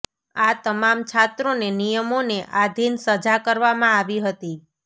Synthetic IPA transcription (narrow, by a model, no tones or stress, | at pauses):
at̪əmamt͡ʃʰat̪ɾonenijəmoneʔad̪ʱinsəd͡ʒakəɾʋamãaʋiɦət̪i